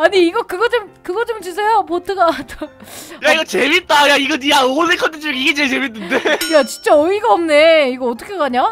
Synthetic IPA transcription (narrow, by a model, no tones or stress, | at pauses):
aɲiːɡʌkɯɡʌt͡ɕomkɯɡʌt͡ɕomt͡ɕusʰejopotʰɯɡatojaiɡʌt͡ɕemit̚t͈ajaiɡʌjaosʰekʰʌntdʰɯt͡ɕoŋiɡet͡ɕet͡ɕeminːɯndejat͡ɕint͡ɕ͈aʌiɡaʌmne̞iɡʌʌt͈ʰʌkʰekaɲa